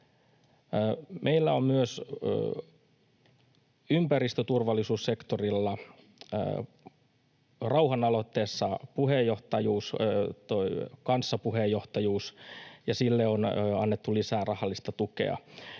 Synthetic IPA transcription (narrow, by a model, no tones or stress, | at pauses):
mʔeilːæommyøs | ympærist̪øt̪urʋɑlːisuːssekt̪orilːɑ | rɑuɦɑnɑlo̞t̪ːeːsːɑpuhejːo̞ht̪ɑjuːst̪oikɑnsːɑpuɦejo̞ht̪ɑjuːsjɑsilːeonɑnːet̪ːulisæːrɑhɑlːist̪ɑt̪ukḛɑ̰